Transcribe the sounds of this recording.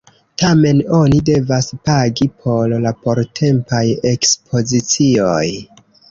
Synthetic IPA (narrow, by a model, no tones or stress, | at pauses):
tame̞no̞nide̞vaspaɡipʰo̞llapo̞ɾtʰe̞mpaje̞kspʰo̞zit͡sio̞j